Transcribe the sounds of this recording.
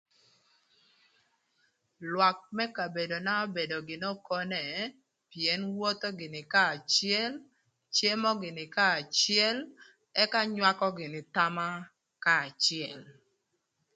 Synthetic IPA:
lwa˨k̚mɛ˦ka˨be˨do˨na˦ɔ˦be˨do˨ɡɪ˨nɔ˦kɔ˦nɛ˨ | pjɛ˨˦nwo˦t̪o˦ɡɪ˨nɪ˨kaː˦˨t͡ʃɪɛ˦l | t͡ʃe˦mɔ˦ɡɪ˨nɪ˨kaː˦˨t͡ʃɪɛ˦l | ɛ˦ka˦ɲwa˦kɔ˦ɡɪ˨nɪ˨t̪a˦ma˦ | kaː˦˨t͡ʃɪɛ˨l

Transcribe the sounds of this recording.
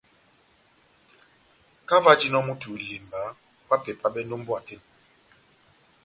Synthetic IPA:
ka˦va˦d͡ʒi˦nɔ˦mu˦tʰu˨li˨mba˨˦ | wa˦pɛ˨pʰa˦ɓɛ˦ndo˦m˦bwa˨te˦n

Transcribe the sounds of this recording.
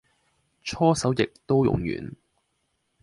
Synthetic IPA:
t͡ʃʰɔː˥sɐ˨˥wjɪ˨k̚t̪o˥wjʊ̰˨ŋjy̰ː˨˩n

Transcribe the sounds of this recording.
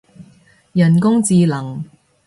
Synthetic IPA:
jɐ˨˩nkʊ˥ŋt͡siː˧lɐ˨˩ŋ

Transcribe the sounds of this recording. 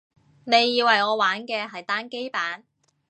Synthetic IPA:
ne˨˧jːiː˧wɐ˨˩jŋɔː˨˧waː˨˥nkɛː˧ɦɐ˨jt̪aː˥nke˥jpaː˨˥n

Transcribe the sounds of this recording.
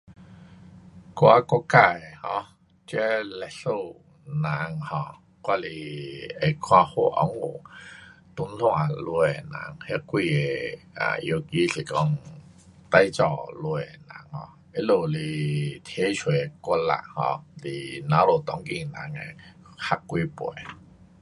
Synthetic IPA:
kwa˧kɔ˧˦ka˧e˨hɔ̃˧ | t͡ɕa˦lɛ˧˨so˥˧˨ | nã˨˦ŋhɔ̃˧˩ | kwa˧li˧e˨kʰwã˧ho̰˧ʔɔ̰˨˦ŋo̰˨˩t̪u˧˦nlw̃ã˧lu˧e˨nã̰˨˧˦ŋhɛ˦kwi˧e˨ | a̰˨jo˧ki˧si˨˩kɔ˧ŋ | t̪a˧jt͡sɔ˧˨lu˧e˨nã̰˨˦ŋhɔ̰̃˧ | e˦lo˧˩li˧˩t̪ʰje˦t͡ɕʰwe˨˦˨kwa˧nla̰˧˨ʔhɔ̰̃˧˩lḭ˨nã˨˦lo˨˩t̪ɔ˧˦ŋki˧˨nã˨˦ŋḛ˨ | ha˦˥kkːwi˧˦pwɔ˨˦

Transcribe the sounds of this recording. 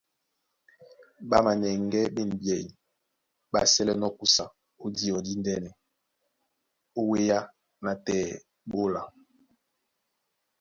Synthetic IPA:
ɓa˦ma˨ɲɛ˨ŋɡɛ˦be˦˨n˨bjɛ˨ | ɓa˦sɛ˦lɛ˨nɔ˦ku˦sa˨ | o˦di˦ɔ˨di˦ndɛ˦nɛ˨ | o˦we˦ja˦ | na˨tɛː˨ | ɓo˦la˨

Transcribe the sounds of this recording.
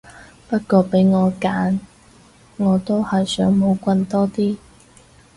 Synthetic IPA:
pɐ˥t̚kʷɔː˧pe˨˥jŋɔː˨˧kaː˨˥n | ŋɔː˨˧t̪o˥whɐ˨jsœː˨˥ŋmo˨˧wkʷɐ˧nt̪ɔː˥t̪iː˥

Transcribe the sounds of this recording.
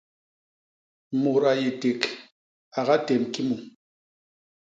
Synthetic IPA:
mu˨ɾa˨je˨te˨k | a˨ɣa˦tɛ˨mki˦mu˨

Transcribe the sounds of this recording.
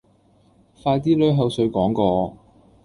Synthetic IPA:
faː˧jt̪̬iː˥lɵ˨˥ɥɦɐ˨˧wsɵ˨˧ɥkɔː˨˥ŋkɔː˧

